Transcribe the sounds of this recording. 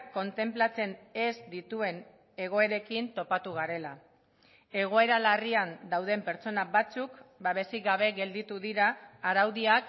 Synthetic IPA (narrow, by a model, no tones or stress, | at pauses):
ko̞nt̪e̞mplat͡se̞ne̞zd̪it̪ue̞n | e̞ɣ̞o̞e̞ɾe̞kint̪o̞pat̪uɣ̞aɾe̞la | e̞ɣ̞o̞e̞ɾalariand̪awðe̞mpe̞ɾt͡so̞naβat͡sukbaβe̞siɣɡaβe̞ɣe̞ld̪it̪uðiɾaːɾawðiak